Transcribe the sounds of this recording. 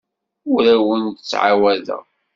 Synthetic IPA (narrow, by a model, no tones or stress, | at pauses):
ʊɾæwənt̪ət͡sːʕa̰wæðə̰ʁ